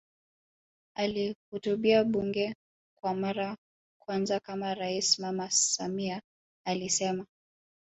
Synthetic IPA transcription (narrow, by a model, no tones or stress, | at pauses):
alihutuɓiaɓuŋɡɛ | kwamaɾa | kwanzakamaɾaismamasamiaː | lisɛma